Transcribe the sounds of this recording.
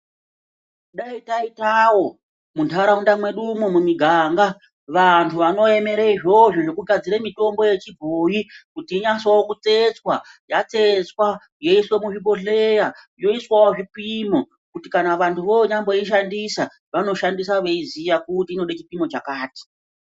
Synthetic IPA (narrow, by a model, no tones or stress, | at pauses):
ɗaitaitawo̞ | muntʰaɾaundamwe̞ɗumumumiɡʱaŋɡa | ʋantʰuʋano̞e̞me̞ɾeiʐo̞ʐoʐo̞kuɡʱad͡ziɾemito̞mbo̞je̞t͡ʃibʱoːjikutiːɲaswawokut͡se̞t͡swajat͡set͡swa | jo̞iswemuʐiɓo̞ɮeja | jo̞iswawoʐipimo̞ | kutikanaʋantʰuʋo̞ɲambo̞iʃandisa | ʋano̞ʃandis̬aʋeizijakutiːno̞ɗat͡ʃipimo̞t͡ʃakaːti̥